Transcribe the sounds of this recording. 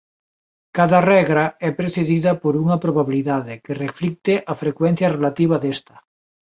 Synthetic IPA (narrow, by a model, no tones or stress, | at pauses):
kaðarɛɣɾaɛpɾeθeðiðɐpoɾuŋɐpɾoβaβiliðaðekereflik̚t̪eʔafɾekwen̟θjɐrelat̪iβ̞aðest̪ɐ̥